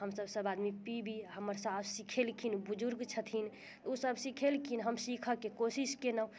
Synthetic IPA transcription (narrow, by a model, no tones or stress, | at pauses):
ɦəmsəbsəbad̪mipibʱiɦəməɾsafʰsikʰelkʰinbud͡ʒuɾɡt͡ʃʰət̪ʰin | t̪usəbsikʰelkʰinɦəmsikʰəkekosiskenə